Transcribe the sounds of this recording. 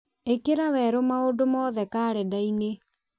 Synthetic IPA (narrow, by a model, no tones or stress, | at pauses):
ekeɾawɛɾomaodomɔðɛkaːɾɛdaine